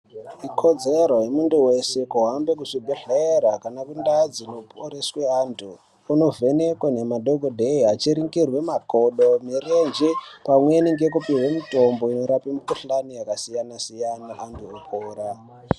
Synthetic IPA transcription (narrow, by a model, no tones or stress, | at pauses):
ikʰo̞d͡zeɾojemunduwe̞se̞kuɦambekuʂibʱeɮeɾakanakundad͡zino̞poɾesweaːntuː | no̞ve̞nekwane̞madʱo̞ɡʱodʱeiat͡ʃiɾiŋɡirwemako̞ɗo̞mirend͡ʒipamwe̞niŋɡe̞k̬upirwemito̞mbo̞ino̞ɾapimukuɬanijakasijanasijanaʔantuopʰoːɾa